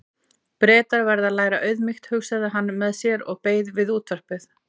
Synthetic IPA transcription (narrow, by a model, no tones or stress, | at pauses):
pɾɛːt̪aɾvɛɾðaðlaːjɾaʔœɥðmɪxt̪hʏxsaðɪɦanːmɛðsjɛɾɔɣpeːjðvɪðuːt̪vœr̥pɪθ